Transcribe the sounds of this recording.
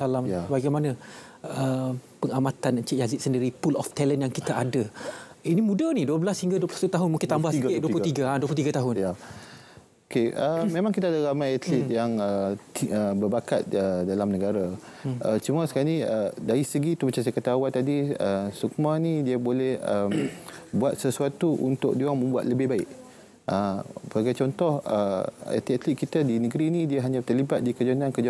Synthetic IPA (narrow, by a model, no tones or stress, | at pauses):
salambaɡajmanãəpəŋamãt̪anat͡ʃiʔjazit̪̚səndiɾipulɔft̪ɛlənjaŋkit̪aʔadə | inimũdaniduəbəlashiŋɡaduəplusat̪ut̪aɦʊnmuŋkɪnt̪ambahskɪʔduəplut̪iɡaaduəplut̪iɡat̪aɦʊnja | okeəmẽmãŋkit̪adaɾamajat̪lit̪̚jaŋəiəbəbaka̰t̪̚ədalamnəɡaɾaʔət͡ʃumasə̥kaniədaɾisəɡit̪ubət͡ʃasakat̪awant̪ːadiəsuk̚manĩdiəbolɛhəmbuat̪̚səsuat̪uʔṵnt̪ʊk̚duaŋmə̃mbua̰t̪̚ləbɪhbaɪʔ | ʔəbaɡajt͡ʃɔnt̪ɔhəa̰t̪liʔat̪lit̪̚kit̪adinəɡɾinĩdiaɦaɲãt̪ərlibat̪̚dikəd͡ʒanãnkəd͡ʒ